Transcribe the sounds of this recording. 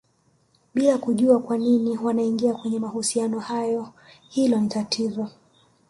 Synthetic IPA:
ɓilakuʄuakwaniniwanaiŋɡiakwɛɲɛmahusianɔhajɔ | hilɔnitatʰizɔ

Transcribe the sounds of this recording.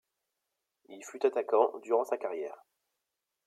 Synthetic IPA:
ilfyt̪at̪akɑ̃d̪yʁɑ̃sakaʁjɛːʁ

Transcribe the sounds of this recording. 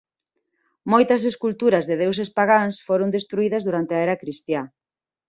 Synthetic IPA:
mojt̪ɐs̬eskult̪uɾɐzðɪðewsespaɣansfoɾond̪est̪ɾuið̞ɐzðuɾant̪eɐɛɾɐkɾist̪ja

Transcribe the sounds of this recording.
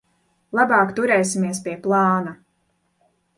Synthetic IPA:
lˠabɑːkt̪uɾɛjsimiɛspʲiɛplˠɑːna

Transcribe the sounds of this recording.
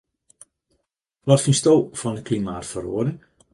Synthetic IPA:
ʋɔtfinstowv̥ɔndəklimaːtfəro̰ədə

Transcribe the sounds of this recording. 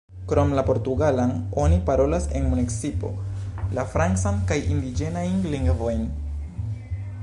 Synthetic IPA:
kɾo̞mlapo̞ɾtuɡalano̞nipaɾo̞lase̞nmuniksipo̞̰lafɾant͡sankajʔindid͡ʒe̞najnliŋɡvo̞jn

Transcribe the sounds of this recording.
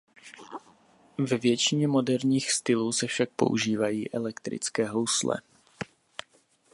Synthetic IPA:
vɛvjɛt͡ʃɪɲɛmo̞dɛɾɲiːxst̪ɪluːsɛfʃak̚po̞̰ʔṵʒiːvajiːʔɛlɛkt̪ɾɪ̰t͡skɛːɦowslɛ̰

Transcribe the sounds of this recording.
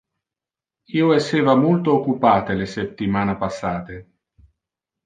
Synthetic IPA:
iːoesːeːvamult̪oːkːupaːt̪eleset̪ːimaːnapasːaːt̪e

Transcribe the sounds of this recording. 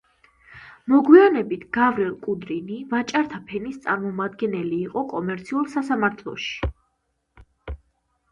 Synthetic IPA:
mɔɡwianɛbit̪ʰɡ̥avɾɛlˠkʼud̪ɾinivat͡ʃʼaɾt̪ʰapʰɛnist̪sʼaɾmɔmad̪ɡɛnɛliːqʼɔkʼɔmɛɾt̪sʰiulˠsasamaɾt̪ʰlˠɔ̰ʃi̥

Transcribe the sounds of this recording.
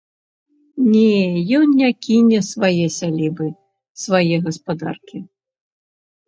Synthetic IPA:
nʲɛjɔnnʲakʲʰinʲɛsvajɛsʲalʲibɨ | svajɛɣɐspad̪a̰rkʲi

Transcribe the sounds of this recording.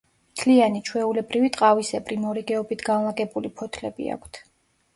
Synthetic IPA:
mt̪ʰlianit͡ʃʰwɛulɛbɾivit̪ʼqʼavisɛbɾimɔɾiɡɛɔbit̪ʰɡanlˠaɡɛbulipʰɔt̪ʰlɛbḭa̰kʷʰt̪ʰ

